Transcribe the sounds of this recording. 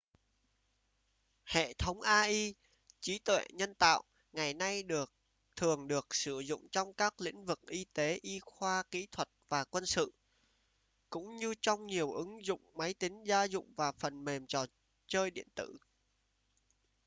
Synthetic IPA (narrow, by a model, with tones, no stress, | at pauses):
hḛ˧˨t̪ʰə˨˦wŋ͡mʔaː˧ʔi˧ | t͡ɕi˨˦t̪wḛ˧˨ɲə˧nt̪a̰ː˧˨wʔ | ŋa˨˩jna˧jɗɨ˨˩ək̚ | t̪ʰɨ˨˩əŋɗɨ˨˩ək̚sɨ˧˩zʊ̰˧˨ŋ͡mt͡ɕɔ˧wŋ͡mkaː˦˥k̚lḭ˧˥ŋ̟vɨ˨˩k̚ʔi˧t̪e˨˦ʔi˧xwaː˧kḭ˧˥t̪ʰwə˨˩t̚vaː˨˩kwə˧nsɨ̰˧˨ | kʊ̰˧˥ŋ͡mɲɨ˧t͡ɕɔ˧wŋ͡mɲi˨˩əwʔɨ˨˦ŋzʊ̰˧˨ŋ͡mma˨˦jt̪ï˨˦ŋ̟zaː˧zʊ̰˧˨ŋ͡mvaː˨˩fə˨˩nme˨˩mt͡ɕɔ˨˩ | t͡ɕəː˧jɗḭ˧˨ənt̪ɨ̰˧˨